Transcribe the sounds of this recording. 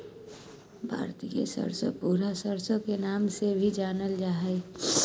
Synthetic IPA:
bʱa̰ːɾt̪ḭjḛsə̰ɾso̰puːɾasəɾsõkenaːmsebʱid͡ʒaːnəld͡ʒaːɦə

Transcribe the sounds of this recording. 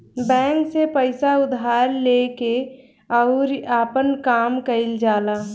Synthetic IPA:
bɛ̃ːŋksepəɪsaʊd̪ʱaːɾleke | ɔʊɾaːpənkaːmkəɪld͡ʒaːlaː

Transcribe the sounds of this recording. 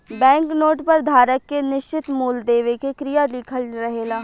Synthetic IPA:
bɛ̃ːŋknoːʈpɐɾd̪ʱaːɾəkːenɪʃt͡ʃɪt̪muːld̪eːʋekekɾijalɪkʰəlɾəɦeːlaː

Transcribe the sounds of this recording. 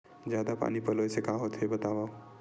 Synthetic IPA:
d͡ʒjad̪apa̰nipəlojsekaɦot̪ʰebət̪aba

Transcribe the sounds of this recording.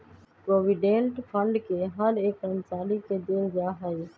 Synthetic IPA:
pɾoːʋiːɖẽːɳʈpʰəɳɖkeːɦəɾeːkənsaːliːkeːd̪eːɾd͡ʒaːɦəeː

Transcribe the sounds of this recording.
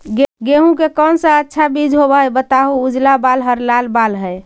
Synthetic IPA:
ɡɡeɦũkekənsə̃ətːʃʰabid͡ʒʱɦobəɦjbət̪aɦuud͡ʒlabalɦəɾlalbalɦəj

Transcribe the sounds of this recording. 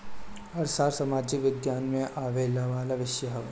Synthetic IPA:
ɐɾsaːɾsɐmaːd͡ʒɪkʋɪd̪jaːnmẽʔaːʋeːlaʋaːlaʋɪʃjəɦɐʋ

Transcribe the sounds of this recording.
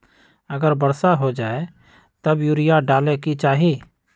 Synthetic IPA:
əɡəɾbəɾsaɦod͡ʒaːe | t̪əbjuːɾɪjaɖaːlekit͡ʃaːɦeː

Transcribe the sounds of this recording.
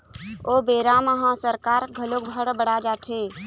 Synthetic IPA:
oːbeːɾaməɦãsəɾkaːɾɡʱəlokbʱəɽbəɽad͡ʒaːt̪ʰɦeː

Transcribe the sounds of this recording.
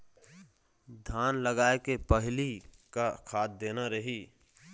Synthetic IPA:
d̪ʱjaːnləɡaːekepəɦɪlikakʰaːt̪̚d̪eːnaɾəɦiː

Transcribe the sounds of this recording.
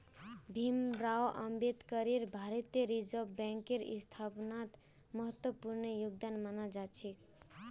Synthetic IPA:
bʱimɾaoʔəmbet̪kəɾiɾbʱaɾət̪eɾid͡ʒəbbɛ̃ŋkeɾḭst̪ʰapnat̪ | məɦət̪wəpuɾnəjuɡ̚d̪anmanad͡ʒat͡ʃʰik

